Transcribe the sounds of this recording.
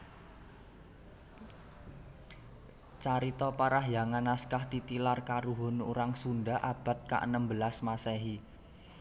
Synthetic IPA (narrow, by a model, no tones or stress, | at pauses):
t͡ʃaɾit̪ɔpaɾahjaŋanːaskaht̪it̪ilarkaɾuɦo̤nuɾaŋsunɖaʔab̥a̤t̪̚ka̰ʔənəmbəlasmasɛɦi